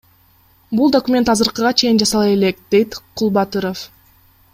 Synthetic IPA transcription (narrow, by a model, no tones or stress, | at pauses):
bulˠd̪okumʲe̞nt̪ɑzɯɾqɯʁɑt͡ʃʰe̞jind͡ʒɑsɑlˠɑele̞k̚d̪e̞jt̪qʰulˠbɑt̪ɯɾof